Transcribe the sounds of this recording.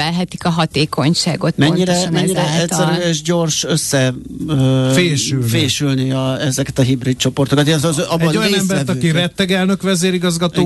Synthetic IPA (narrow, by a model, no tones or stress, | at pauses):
ɛlɦɛt̪i̥kɒɦɒt̪eːkʰo̞ɲʃaːɡo̞t̪mɛɲːiɾɛnmɛɲːiɾɛɛsːɛɾyeʃɟo̞rʃøsːɛ | feːʃylfeːʃylniɒɛzɛkɛt̪ɒɦibɾit̪̚t͡ʃo̞po̞rt̪okɒt̪eʃɒzzɒboojɒnɛmbɛɾt̪ɒkirɛt̪ːɛɡɛlnø̞kʋɛzeːɾiɡɒzɡɒt̪oː